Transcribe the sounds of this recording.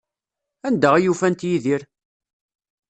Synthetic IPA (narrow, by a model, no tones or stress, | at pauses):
ænd̪əʁijufænt̪jiðiɾ